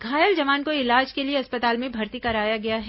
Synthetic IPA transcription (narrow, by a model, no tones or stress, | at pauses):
ɡʱaːjəld͡ʒɐʋaːnkoɪlaːd͡ʒkelieɐspət̪aːlmẽbʱɐɾt̪ikɐɾaːjaɡɐjaɦɛ